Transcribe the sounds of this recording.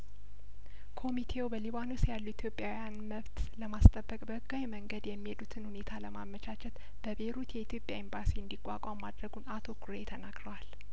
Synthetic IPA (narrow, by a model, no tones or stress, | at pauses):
kʰo̞mit̪ʰe̞wbəliβanosjalːuit̪ʰjo̞pʼjawjanməβt̪ləmast̪ʼəbːəkʼbəɡːawjməŋɡəd̪jɛmːihed̪ut̪ʰɨnhune̞t̪ʰaləmamːət͡ʃʰat͡ʃʰɛt̪ | b̥əbe̞ɾut̪jɛit̪ʰjo̞pʼjaimbasiɨnd̪ikʼːa̰kʷʼamːad̪ɾəɡunat̪ʰo̞kʰuɾet̪ʰənaɡɾəwal